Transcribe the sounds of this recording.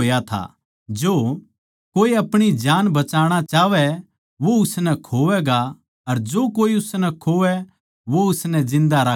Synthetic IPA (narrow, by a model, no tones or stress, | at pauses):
jat̪ʰa̰ | d͡ʒoː | koːiɐpɽ̃id͡ʒaːnbɐt͡ʃaːɽ̃at͡ʃaːʋɛ | ʋoʊsnɛkʰoːʋɛɡa | ɐɾd͡ʒoːkoːiʊsnɛkʰoːʋɛ | ʋoʊsnɛ̃d͡ʒɪ̃nd̪aɾaː